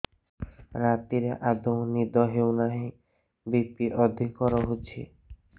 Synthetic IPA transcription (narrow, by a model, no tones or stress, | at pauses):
ɾat̪iɾeʔad̪ownid̪ɔɦewnaɦĩ | bik̚t̪iʔɔd̪ʱikɔɾɔɦot͡ʃʰḭ